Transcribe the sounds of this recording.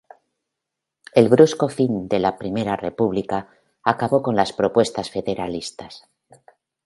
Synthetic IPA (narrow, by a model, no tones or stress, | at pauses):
e̞lβɾusko̞find̪e̞lapɾime̞ɾare̞puβlikaː | kaβo̞ko̞nlaspɾo̞pwe̞st̪asfe̞ðe̞ɾalist̪as